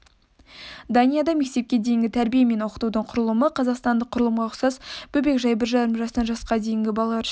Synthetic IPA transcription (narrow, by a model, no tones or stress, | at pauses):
d̪ɑnijɑd̪ɑme̞k̚t̪e̞p̚kʲe̞d̪e̞jɪŋɡʲɪt̪ʰæɾbijeme̞nwo̞qə̥t̪ud̪əɴqʰʊɾəlˠəməqʰɑzɑqst̪ɑnd̪əqʰʊɾəlˠəmʁɑʊχsɑsb̥ɵbe̞kʒɑjbɪɾʒɑɾəmʒɑst̪ɑnʒɑsqɑd̪e̞jɪŋɡʲɪbɑlˠɑ